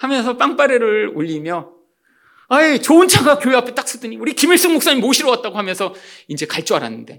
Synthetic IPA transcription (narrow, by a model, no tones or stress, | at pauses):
hamjʌnsʰʌp͈aŋp͈aɾeɾɯɭoʎːimjʌ | ait͡ɕoɯnt͡ɕʰaɡakjoeɦapʰet͈ak̚s͈udɯɲiuɾikimiɭs͈ɯŋmok̚s͈aɲimoɕʰiɾʌwat̚t͈aɡoɦamjʌnsʰʌind͡ʑe̞kaɭt͡ɕ͈oaɾa̰nːɯnde̞